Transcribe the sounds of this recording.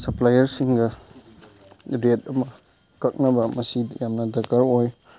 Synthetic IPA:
sɐplajɐɾsiŋɡɐ | ɾet̚ɐmɐ | kɐk̚nɐbɐmɐsijamnɐdɐɡaɾoj

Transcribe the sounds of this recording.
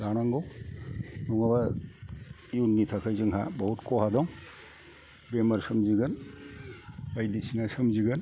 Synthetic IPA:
zanaŋɡɔw | nɔŋaba | iunnːitʰakʰajzɯŋɦa̰bɔɦutkɔɦadɔŋ | bemaɾsɯmziɡan | bajdisʰinasɯmziɡɯn

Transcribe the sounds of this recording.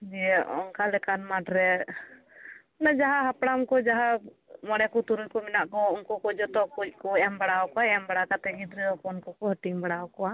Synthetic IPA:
d͡ʒɛɛɔ̰nkalɛkanmaʈɾɛ | nad͡ʒaɦaɦapɽamkɔd͡ʒaɦa | mɔɽɛkɔt̪uɾujkɔminaʔkɔunkɔkɔd͡ʒɔt̪ɔkuc̚ˀkɔɛmbaɽawkɔaɛɛmbaɽakat̪ɛɡid̪ɾid̪ɔkɔnkɔkɔɦəʈiŋbaɽawkɔwa

